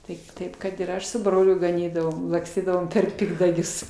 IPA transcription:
ˈtɐɪp ˈtɐɪp kɐt ɪr ˈɐʃ sʊ ˈbroːlʲʊ ɡɐˈnʲiːdɐʋoːm lˠɐkˈsʲtʲiːdɐʋoːm pʲɛr ˈpʲɪɡdɐɡʲʊs

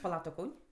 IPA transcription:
pɐˈlˠɐ ˈtʊ ˈkɐʊnʲ

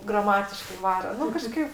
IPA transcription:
ɡrɐˈmɑːtʲɪʃkɐɪ ˈʋɑːroː ˈnʊ kɐˈʃkɐɪp

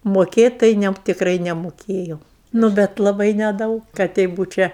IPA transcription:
moːˈkʲeːtʲ tɐɪ ˈnʲɛ tʲɪkˈrɐɪ nʲɛmoːˈkʲeːjɛʊ nʊ ˈbʲɛt lˠɐˈbɐɪ nʲɛˈdɐʊk kɐ ˈtʲɛɪ ˈbuːt͡ʃʲɛ

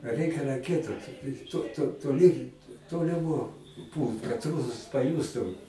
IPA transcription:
ˈrɜɪkʲɛ rɐˈkʲiɛtʊ toː toː toːˈlʲiː ˈtoːlʲɪˌmoː ˈpuːlˠt kɐt ˈruːsɐs pɐˈjuːstʊ

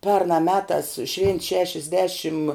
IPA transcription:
ˈpʲɛrnɑː ˈmʲæːtɑːs ʃʲʋʲeːnt ˈʃʲæːʃʲɛzʲˌdʲæːʃʲɪm

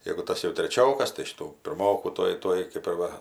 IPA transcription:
jɛɡʊ ˈtɐs jɛʊ tʲrʲɛˈt͡ʃʲoːkɐs tɐɪ ˈʃʲɪtuː pʲɪrˈmoːkuː ˈtuɔj ˈtuɔj kɜp ɪr ˈʋɐ

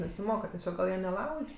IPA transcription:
nʲɛsʲɪˈmoːkɐ tʲɛˈsʲoːk ɡɐlˠ ˈjiɛ nʲɛˈlˠɐʊʃʲ

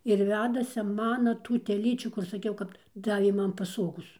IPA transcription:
ɪr ˈʋʲæːdɐsʲɪ ˈmɑːnɐ ˈtuː tʲɛˈlʲiːt͡ʃʲuː kʊr sɐˈkʲɛʊ ˈkɐp ˈdɑːʋʲeː ˈmɐn pɐˈsoːɡoːs

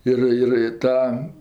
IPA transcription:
ˈɪr ɪr ɪ ˈtɐm

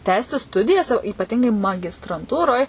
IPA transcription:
ˈtʲæːsʲtʲɪ ˈstʊdʲɪjɛs oː iːpɐˈtʲɪŋɡɐɪ mɐɡʲɪstrɐnˈtuːroːj

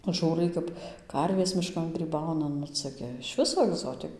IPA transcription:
ˈʒuːrɐɪ kɐp ˈkɐrʲʋʲeːs mʲɪˈʃkɐn ɡrʲiːˈbɐʊnɐ ˈnʊ ˈt͡sɐ ɡʲɪ ɪʃ ˈʋʲɪsoː ɐɡˈzoːtʲɪk

